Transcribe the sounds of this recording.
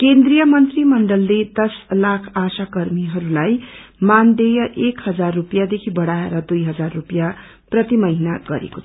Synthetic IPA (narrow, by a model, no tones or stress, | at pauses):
kend̪rijʌmʌnt̪rimʌɳɖʌlːed̪ʌslakʰasakʌrmiɦʌɾulajmand̪ejʌʔekhʌd͡zarːupjad̪ekʰibʌɽaeɾʌd̪ujɦʌd͡zarːupja | prʌt̪imʌinaɡʌɾḛkot͡sʰʌ̥